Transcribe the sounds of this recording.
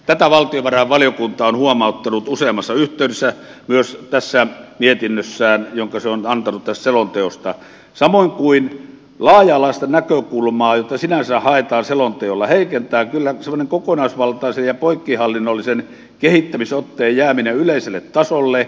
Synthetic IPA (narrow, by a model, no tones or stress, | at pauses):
t̪æt̪æʋɑlt̪ioʋʋɑrɑhɑʋʋɑlijokunt̪ɑonhuomɑˑot̪ːɑnut̪useːmɑsːɑyht̪ˑeˑydesːæmyøst̪æsːæmiet̪inːøsːæːnjoŋkɑseonɑnt̪ɑnut̪t̪æst̪selont̪eost̪ɑ | sɑmoiŋkuin | lɑːjɑlɑˑist̪ɑnækøkulmɑːjot̪ːɑsinænsæhɑet̪ɑːnselont̪eolːɑheikent̪æːkylːæsemːˑŏneŋkokonɑisʋɑlt̪ɑisejjɑpoikːihɑlːinːolːisen | kehit̪ːæmisot̪ːeːjjæːmineyleˑiselːet̪tɑsolːe